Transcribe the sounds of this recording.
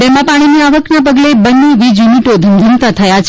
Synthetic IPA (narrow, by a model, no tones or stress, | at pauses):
t̪emãpaɽ̃iniaʋəknap̬əɡlebənːeʋid͡ʒuniʈod̪ʱənd̪ʱənt̪at̪ʰəjat͡ʃʰ